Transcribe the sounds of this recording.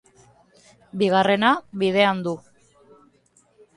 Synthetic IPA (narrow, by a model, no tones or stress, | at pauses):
biɣ̞are̞naβiðe̞and̪u